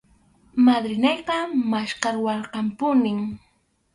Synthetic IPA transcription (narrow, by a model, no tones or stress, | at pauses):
mad̪ɾɪnejqɑmaʃkɑɾwɑɾqɑmpʊnɪŋ